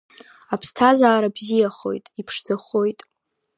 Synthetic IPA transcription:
apʰstʰazaːɾabzijaχo̞̰jtʼipʰʂd͡zaχo̞jtʼ

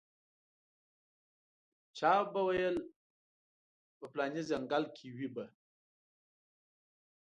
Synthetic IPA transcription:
t͡ʃɑbawajəl | pəplɑnizaŋɡalkʰiwiba

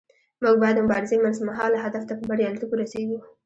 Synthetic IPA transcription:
muɡ̚bɑjad̪ːəmʊbɑɾɪzemansmaɦɑlaɦad̪aft̪apəbaɽealt̪ukoɾaseɡu

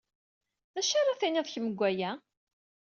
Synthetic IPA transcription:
ðæʃaɾˤɑθiniðˤçməɡʷːæjæ

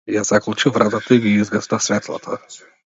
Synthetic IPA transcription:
jasaklˠt͡ʃuvɾat̪ɐt̪ɐiɡʲiizɡɐst̪asvʲɛt̪lˠa̰t̪ʰa

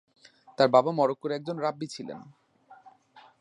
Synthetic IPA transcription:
t̪aɾbabamɔɾokːoɾeɛk̚d͡ʑonɾabːit͡ɕʰilḛn

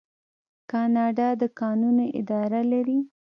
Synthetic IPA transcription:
kɑnɑɖɑd̪əkɑnunoʔɪ̰d̪ɑɾalaɾi

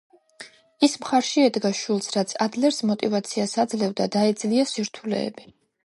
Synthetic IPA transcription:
ismχaɾʃiɛd̪ɡaʃulˠsɾat̪sʰad̪lɛɾsmɔt̪ʼivat̪sʰiasad̪zlɛvd̪ad̪aɛd̪zliasiɾt̪ʰulɛ̰ːbi

